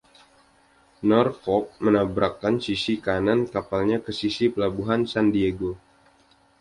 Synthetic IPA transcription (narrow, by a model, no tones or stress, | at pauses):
nɔrkɔk̚mənabɾakːansisikanankapalɲakəsisipəlabuɦansandieɡo